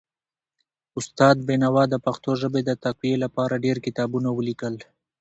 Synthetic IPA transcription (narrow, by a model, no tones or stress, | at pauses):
ʊst̪ɑd̪̚benawɑd̪əpaxt̪oʒəbed̪ət̪akwijelapɑɾaɖeɾkɪt̪ɑbunawəlikəl